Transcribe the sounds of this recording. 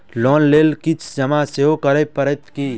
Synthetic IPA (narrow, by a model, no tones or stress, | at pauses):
lɔːnleːlkit͡ʃʰd͡ʒɐmaseɦokəɾepəɾet̪ki